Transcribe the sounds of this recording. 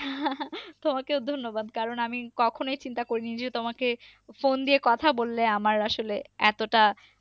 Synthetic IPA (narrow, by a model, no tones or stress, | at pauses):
t̪omakeʊd̪ʱonːobad̪kaɾonamikɔkʰonojt͡ɕint̪akoɾinid͡ʑet̪omake | fond̪iekɔt̪ʰabolːeamaɾaʃoleɛt̪oʈa